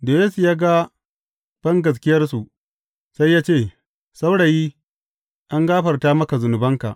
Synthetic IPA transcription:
doː˨jeː˦su˨jaː˦ɡa˦ | b̥ɐ˦ŋɡɐ˨s̬kʲɪ˦jɐ˦rsu˨ʔ | sa˦jːaː˦t͡ʃeː˦˨ | sa˦wɽa˨jiː˦ | ʔa˦ŋɡaː˦ɸɐ˨rtaː˦mɐ˦ka˨zʊ˨nʊ˨bɐ˦ŋka̰˨ʔ

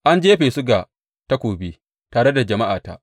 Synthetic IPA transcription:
ʔa˦nd͡ʒeː˦ɸeː˨su˦ɡa˨ | ta˦kʷoː˨be˦ | taː˨ɽe˦da˨d͡ʒɐ˨ma˦ʔaː˨ta̰˦ʔ

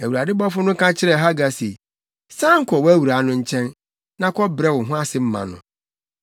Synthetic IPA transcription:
æ˨wu˨ɾa˨dɪ˦bɔ˦fʊ˦nʊ̃˦kʰã˦t͡ɕʰɪ˦ɾɛ˨ɦa˦ɡa˨sḛ˨ | sã˦ŋ̩˦kʰɔ˨wæ˦wu˨ɾa˨˦nʊ̃˦ɲ̩˦t͡ɕʰɛ̃˦n | nã˦kʰɔ˦bɾɛ˦wʊ̃˨ɦʊ̃˦a˦sɪ˨m̩˦mã̰˨nʊ̰̃˨

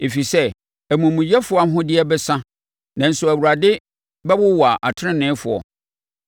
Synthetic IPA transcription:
e˨fi˨sɛ˦ | æ˨mũ˨mũ˨jɛ˦fʊ˨˦a˦ɦʊ̃˦dɪ˦ɛ˦bɛ˦sã˦ | nã˨n̩˨sʊ˨æ˨wu˨ɾa˨dɪ˦ | bɛ˦wʊ˦wa˨ʔa˨tʰɪ˦ɾɪ̃˦nɪ̃˦fʊ˨ɔ̰˨

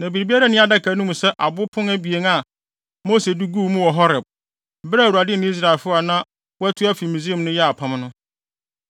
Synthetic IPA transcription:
nã˨bi˨ɾi˨bi˦a˦ɾa˦nɪ̃˦a˨da˦kʰa˨˦nũ˦mũ˨sɛ˦ʔa˨bʊ˦pʰʊ̃˦ŋæ˦bi˨e˦ŋa˦˨ | moː˦se˨du˦ɡu˦˨mũ˦wɔ˨ɦɔ˦ɾɪ˨b̩̚˨ | bɾa˦˨u˨a˨dɪ˦nɪ̃˦i˦s̬ɾa˨e˨lfʊ˦a˨nã˦ | wɔ˦ɛ˦tʰʊ˦æ˦fi˨mũ˨zi˦e˨mnʊ̃˦jɛ˦a˨pʰã˦m˦nʊ̃˦

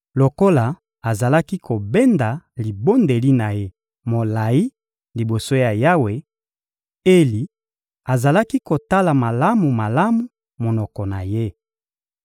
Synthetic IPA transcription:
lo˨ko˦la˨ | a˨za˨la˦ki˦kʰo˨bɛ˦nda˨li˨bo˦nde˨li˦na˨je˦ | mo˨la˨i˦ | li˨bo˨so˦ja˨ja˦we˨ | e˦li˨ | a˨za˨la˦ki˦ko˨ta˦la˨ma˨la˦mu˨ma˨la˦mu˨ | mo˨nɔ˨kɔ˨na˨je˦

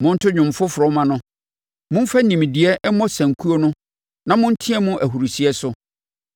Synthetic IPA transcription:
mʊ̃˦n̩˦tʰʊ˦ɲᶣʊ̃˨m˨fʊ˦fʊ˨ɾɔ˦mã˦nʊ̃˦ | mʊ̃˦m̩˦fa˦nĩ˨m˨dɪ˨ɛ˦ʔɛ˦mɔ˦sæ̃˨ŋ̩˨kʰu˦o˦nʊ̃˦ | nã˨mʊ̃˦n̩˦tʰĩ˦ɛ˦mʊ̃˦ʔæ˨ɦu˨ɾu˨si˨ɛ˦sʊ˦

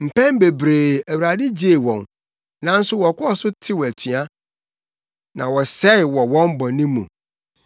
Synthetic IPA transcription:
m̩˨pʰɛ̃˦m˦be˨bɾe˨æ˨wu˨ɾa˨dɪ˦d͡ʑe˦˨wɔ̃˨n | nã˦n̩˦sʊ˦wɔ˨kʰɔ˦ɔ˦˨sʊ˦tʰɪ˦wɔ˨æ˨tʰɥa˦ | nã˨wɔ˨sɛ˦ɪ˨wɔ˨wɔ̃˦mbɔ̃˨nĩ˦mːṵ̃˨

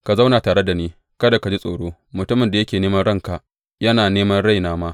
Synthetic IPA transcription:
ka˨za˦wna˨taː˨ɽe˦da˨niː˦ | kɐ˦da˨ka˨d͡ʒi˦sʼoː˨ɽoː˦mʊ˨tʊ˦mɪ˨nda˨jɐ˦kʲeː˨neː˦mɐ˦nɽɐ˦ŋka˨ʔ | jɐ˦naː˨neː˦mɐ˦nɽa˦˨jnaː˦maː˦

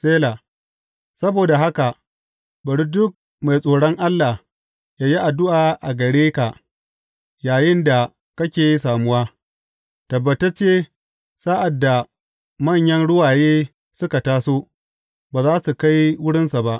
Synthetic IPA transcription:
sʼeː˦laː˨ | sɐ˦boː˨da˨ɦa˦ka˨ | bɐ˨ɽi˦dʊ˦k̚ | ma˨jsʼoː˨ɽɔ˦ŋʔa˦lːa˨h | jaː˦ji˦ʔa˨dʊ˦ʔaː˨ʔa˨ɡɐ˨ɽeː˦ka˨ʔ | jaː˨jɪ˦nda˨ | kɐ˦kʲeː˨jsaː˨mʊ˦waː˦ | tɐ˨bːɐ˨tɐ˦t͡ʃeː˦ | saː˦ʔa˨dːa˨ | mɐ˦˨ɲjɐ˦nɽʊ˦waː˨jeː˦ | sʊ˦ka˨taː˦soː˦ | baː˨zaː˦su˨ka˦jwʊ˦ɽɪ˦nsa˨ba˦ʔ

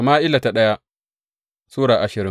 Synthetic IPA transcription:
a˨maː˦ʔɪ˦la˨ta˨ɗɐ˦ja˦ | suː˦ɽaː˨ʔa˨ʃɪ˨ɾɪ˦

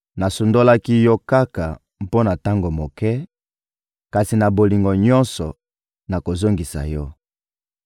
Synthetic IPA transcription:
na˨su˨ndo˦la˦ki˦jɔ˦ka˦ka˨ | m˨po˦na˨ta˦ŋɡo˨mo˨kɛ˦ | ka˨si˨na˨bo˨li˨ŋɡɔ˨ɲɔ˦nsɔ˨ | na˨ko˨zo˦ŋɡi˨sa̰˨jɔ˦

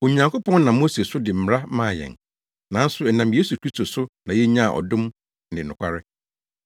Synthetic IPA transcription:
o˨ɲã˨ŋkʰo˦pɔ̃˦nnã˨mo˦se˨sʊ˦dɪ˨m̩˨m˦ɾa˦mãː˦˨jɛ̰̃˨n | nã˨n̩˦sʊ˨ɛ˨nã˨mje˦su˨kʰɾi˦sto˨sʊ˦nã˨jɛ˦ɲã˦˨ʔɔ̰˨dʊ̃˦m̩˦ | dɪ̃˨nʊ̃˨kʷʰa˦ɾɪ˦

